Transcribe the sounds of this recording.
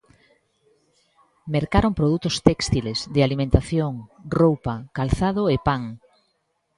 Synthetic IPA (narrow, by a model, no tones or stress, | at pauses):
meɾkaɾompɾoðut̪ʊst̪ɛkst̪ilezðɪalimẽnt̪aθjoŋrowpɐkalθaðoepaŋ